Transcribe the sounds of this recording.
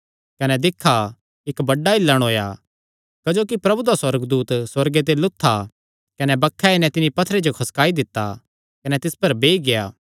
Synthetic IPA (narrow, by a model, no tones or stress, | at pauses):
kɐnɛd̪ɪkʰːa | ɪkbɐɖːaɪlːəɽ̃ɦoːja̰ | kɐd͡ʒoːkipɾɐbud̪aswɐɾəɡd̪uːt̪swɐɾɡet̪̬elʊt̪ʰːa | kɐnɛbɐkʰːaɪnɛ̃t̪ɪnipɐt̪ʰəɾed͡ʒokʰɐskaːid̪ɪt̪ːa̰ | kɐnɛt̪ɪspɐɾbeːiɡejaː